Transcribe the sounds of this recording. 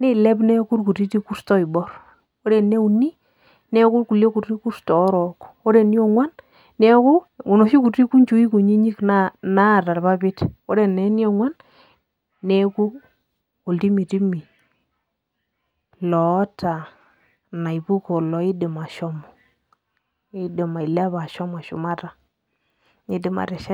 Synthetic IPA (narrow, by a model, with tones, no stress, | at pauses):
ni˦˨lɛ˦pnɛ˦ku˦rku˨ti˦ti˦ku˦stɔ˦i˨bɔ˦ɾ | o˦ɾe˨ne˦u˨ni˦ | nɛ˦ku˦rku˨lje˦ku˨ti˦ku˦stɔ˨˦ɾɔ˨ko˦ɾe˨ni˦ɔ˦ŋwa˦n | nɛ˦ku˦u˨nɔ˨ʃi˦ku˨ti˦ku˦ɲt͡ʃu˨i˦ku˨ɲi˦ɲi˦kna˦na˦˨ta˨rpa˦bɪ˦to˦ɾe˨nɛ˨ni˦ɔ˨ŋwa˦nː | e˦ku˦ | ku˨lti˦mi˨ti˦mi˨ | lɔ˨˦tʰa˨ | na˨jbu˦kɔ˨lɔ˨i˦de˨ma˨ʃɔ˦mɔ˨ | i˦dɪ˨ma˨i˨la˦ba˨ʃɔ˦ma˨ʃṵ˨ma˦ta˨ | i˨˦dɪ˨ma̰˨ɾɛ˨ʃa˦